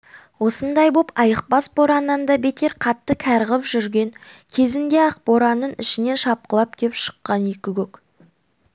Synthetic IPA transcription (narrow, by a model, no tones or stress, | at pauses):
wo̞sənd̪ɑjbo̞pɑjəq̚bɑsboɾɑnənd̪ɑbe̞t̪e̞ɾqʰɑt̪ːəkʲʰæɾʁəpʒʏɾɡʲe̞ŋkʲʰe̞zɪnd̪e̞ɑq̚boɾɑnəɴɪ̰ʃɪne̞nʃɑp̚qəlˠɑp̚kʲʰe̞pʃə̥qːɑnekʲɪɡʲɵk